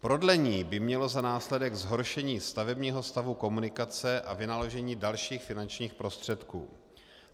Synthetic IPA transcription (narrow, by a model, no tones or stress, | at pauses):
pɾo̞dlɛɲiːbɪmɲɛlo̞zanaːslɛdɛɡzɦo̞ɾʃɛɲiːst̪avɛbɲiːɦo̞st̪avuko̞munɪkat͡sɛʔavɪnalo̞ʒɛɲiːdalʃiːxfɪnant͡ʃɲiːxpɾo̞st̪r̝̥ɛt̪kṵː